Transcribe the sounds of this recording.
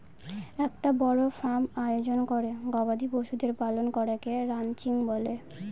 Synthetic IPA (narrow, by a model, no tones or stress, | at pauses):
ɛk̚ʈabɔɽofɾamajod͡ʑonkoɾeɡɔbad̪ʱiboʃud̪eɾpalonkɔɾekeɾant͡ɕiŋbole